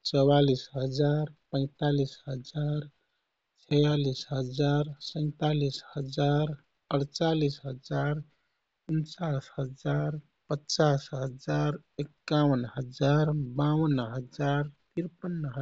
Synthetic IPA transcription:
t͡ʃɔwalisɦəd͡ʒaɾpə̃ɪ̃t̪alisɦəd͡ʒaɾ | t͡ʃʰɛjalisɦəd͡ʒaɾsə̃ɪ̃t̪alishəd͡ʒaɾ | əɽt͡ʃalisɦəd͡ʒaɾ | unt͡ʃasɦəd͡ʒaɾ | pətːt͡ʃasɦəd͡ʒaɾ | ekːawənɦəd͡ʒaɾbawənɦəd͡ʒaɾt̪iɾpənːɦ

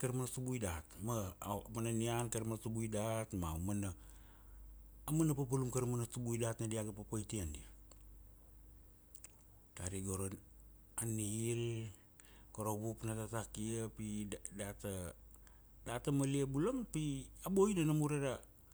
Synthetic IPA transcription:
kaɾmanasubujdatmamananiankaɾmanasubujdatmawmana | manapap̬alumkaɾamanasubujdatnadiaɡapapajtiandi | taɾiɡoɾon | aniiɾ | koɾoβupnatatakiapidata | datamaliabulampiaboinanamuɾeɾa

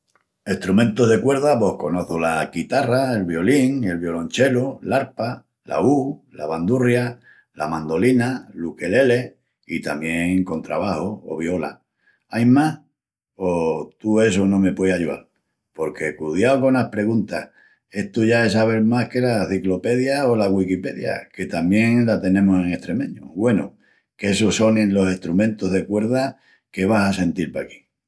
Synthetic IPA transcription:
e̞ht̪ɾumẽ̞nt̪oɦðe̞kwe̞ɾðapo̞hko̞no̞θolakit̪araelβjo̞liŋe̞lβjo̞lõ̞nt͡ʃe̞lulaɾpa | la̰ulaβand̪urja | la̰mãnd̪o̞linaluke̞le̞le̞ | it̪amje̞ŋko̞nt̪ɾa̰βahoo̰βjo̞la̰ | ajmah | ot̪ue̞sonõ̞me̞pweaʎuða̰l | po̞ɾke̞kuðjaoko̞nahpɾe̞ɣunt̪ah | e̞ht̪uʝae̞s̬aβ̞e̞ɾmahke̞laθiklo̞pe̞ðjaolaɣwikipe̞ðja̰ke̞t̪amje̞ŋlat̪e̞nẽ̞mose̞ŋe̞ht̪ɾe̞mẽ̞ɲo̰ɣwe̞no | kesoso̞nẽnlo̞seht̪ɾumẽ̞nt̪oɦðekwe̞ɾða | ke̞βasase̞nt̪ilpaki̥

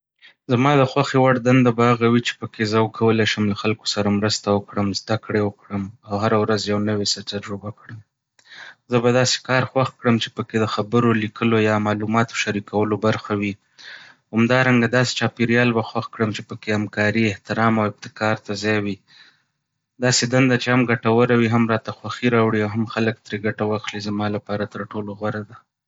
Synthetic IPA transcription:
zamɑd̪əxwaxewaɽd̪and̪abaaɣawit͡ʃe̥pəkʰezəwkʰawəlajʃəmlaxalko̥saɾamɾəst̪awəkɽəmzd̪akɽewəkɽəmawɦaɾawɾazjawnəwesat̪aɾʒubakɽəm | zəbad̪ɑse̥kɑɾxwaxkɽəmt͡ʃe̥pəked̪əxabəɾolikʰəlojɑmɑlumɑt̪o̥ʃaɾikawəlobaɾxawi | hamd̪ɑɾaŋɡad̪ɑse̥t͡ʃɑpiɾjɑlbaxwaxkɽəmt͡ʃepəkehamkɑɾiɪht̪ɪɾɑmawɪb̚t̪ɪ̥kɑɾt̪azɑjwi | d̪ɑsed̪and̪at͡ʃehamɡaʈawəɾawiɦamɾɑt̪axwaxiɾɑwɽiawɦamxalək̚t̪ɾeɡaʈawaxlizamɑlapɑɾat̪əɾʈoloɣwaɾad̪a

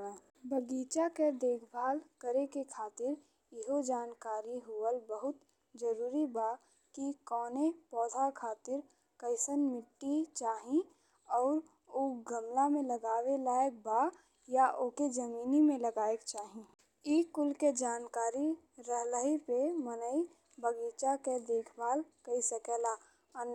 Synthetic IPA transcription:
bəɡiːt͡ʃaked̪eːkʰbʱaːlkəɾekekʰaːt̪ɪɾ | jɪɦod͡ʒaːnkaːɾiɦʊəlbəɦʊt̪ | d͡ʒəɾuːɾibaː | kikɔːnepɔːd̪ʱakʰaːt̪ɪɾ | kəɪsənmɪʈːit͡ʃaːɦĩ | ɔːɾ | oɡəmlamẽləɡaːwelaːek̚baː | jaʔoːked͡ʒɐmiːnimẽləɡaːekt͡ʃaːɦĩ | iːkʊlked͡ʒaːnkaːɾi | ɾəɦləɦipemənəi | bʱəɡiːt͡ʃaked̪eːkʰbaːlkəisəkɛla | ən

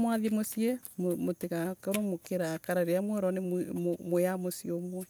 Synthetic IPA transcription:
mwaðemosiɛmomotekakɔɾomokeɾakaɾaɾeamweɾɔneomojamosijomwɔ

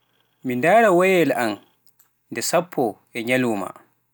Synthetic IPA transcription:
mindaːɾawɔjɛlan | ndɛsapʰːɔ | ɛɲaluːma̰

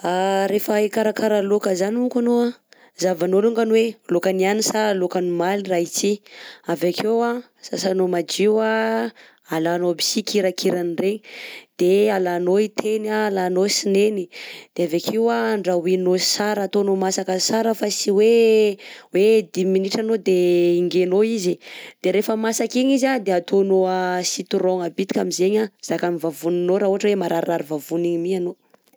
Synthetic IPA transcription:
aɾefəikaɾakaɾalokəzaniukanoa | zavanoluŋɡanwelokanianisaɾlokanimalirait͡siavakʰewa | sasanomad͡ʒiwa | alanobisikiɾakʰiɾanireid̪̥ealanoit̪ʰenaːlanosinenid̪̥eavekʰiwaɳɖ͡ʐawinosaɾaːt̪onomasakəsaɾəfasiwe | wed̪iminiʈ͡ʂanod̪eiŋɡenoizid̪̥eɾefəmasakiɲizad̪eat̪onoəsit̪uɾoŋabit̪i̥kʲamizeɲaz̥akamivavuninoɾauɦaʈ͡ʂəwemaɾʔaɾaɾivavuniɲimiano

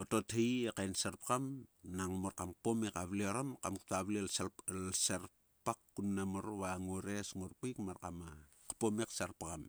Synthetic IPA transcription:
oto̞thejekajnsaɾpakamnaŋmoɾkamkpomekaβlioɾamkamku̥taβlillsaɾ | pakːunːamoɾβaŋoɾesŋoɾpujkmaɾkama | kḁpomeksaɾpakam

